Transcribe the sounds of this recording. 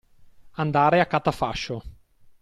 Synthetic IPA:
and̪aːɾeakːat̪afaʃːo

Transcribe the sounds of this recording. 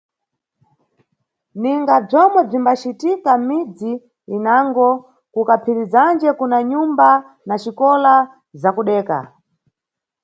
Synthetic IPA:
niŋɡab͡ʐɔmwɛb͡ʐimbat͡ʃitikamid͡ziː | naŋɡɔ | kukapʰiɾizand͡ʒɛkunaɲumba | naʃikɔla | zakuɗɛːka̰

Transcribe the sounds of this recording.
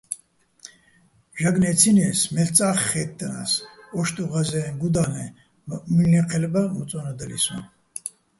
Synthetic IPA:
ʒaɡnɛt͡sʰinɛsmɛlt͡sʼaχːɛt̪ːəna̰sɔʃt̪ʼuʁazɛɡud̪anɛ | milniqʰɛlbamut͡sʼɔnad̪əlḭsṵ

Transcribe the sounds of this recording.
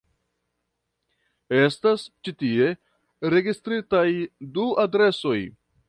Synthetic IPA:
e̞stast͡ʃitie̞ | ɾe̞ɡistɾitajduadɾe̞so̞j

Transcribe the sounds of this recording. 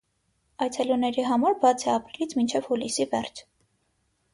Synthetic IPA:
ɑjt͡sʰɛlunɛɾiɦɑmɑɾbɑt͡sʰɛɑpɾilit͡sʰmint͡ʃʰɛvhulisivɛrt͡sʰ

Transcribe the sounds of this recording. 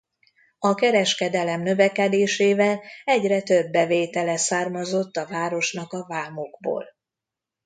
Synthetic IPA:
ɒkɛɾɛʃkɛd̪ɛlɛmnø̞vɛkɛd̪eːʃeːvɛlɛɟrɛt̪øbːɛveːt̪ɛlɛsaːrmɒzo̞t̪ːɒvaːɾo̞ʃnɒkɒvaːmoɡbo̰ːl

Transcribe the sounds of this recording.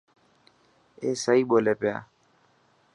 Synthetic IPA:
eːsəiːɓoːleːpja̰ː

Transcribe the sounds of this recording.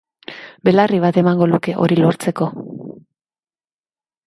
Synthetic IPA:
be̞lariβ̞at̪e̞maŋɡo̞luke̞ʔo̞ɾilo̞ɾt͡se̞ko̞

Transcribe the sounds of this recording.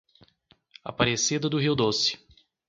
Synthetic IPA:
a̰paɾesid̪ɐd̪ʊɦiwd̪osɪ̥

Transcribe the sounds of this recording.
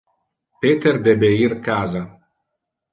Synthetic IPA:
peːt̪eɾd̪ɛbeirkaːza

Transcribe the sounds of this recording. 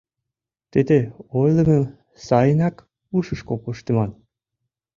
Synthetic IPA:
t̪id̪eojlˠə̆mə̆m | sɑjənɑk | uʃə̆ʃkopuʃt̪emɑn

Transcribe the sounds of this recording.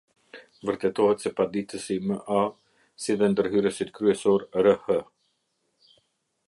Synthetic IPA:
vəɾt̪ɛt̪ɔhɛt̪sɛpad̪it̪əsiməʔa | siðɛnd̪əɾɦyɾəsit̪kɾyɛsɔɾɾəhə

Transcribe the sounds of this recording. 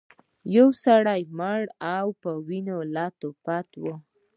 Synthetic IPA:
jawsaɽajməɽawpəwinolɑt̪opat̪wo

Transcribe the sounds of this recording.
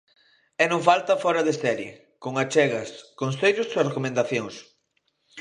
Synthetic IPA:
ɛnõŋfalt̪ɐfɔɾɐðesɛɾjḛ | koŋat͡ʃɛɣɐskõnsejʎʊssrekomẽnd̪aθjoŋs

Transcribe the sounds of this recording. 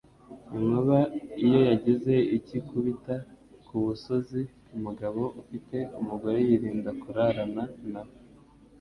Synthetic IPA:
iŋoβaijo̞jaɟize̞icikuβita | kuβuso̞zi | umuɡaβo̞ʔufite̞umuɡo̞ɾe̞jiɾiːndakuɾaɾananawo

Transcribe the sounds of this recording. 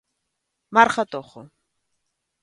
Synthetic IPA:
maɾχat̪ʼɔχʊ

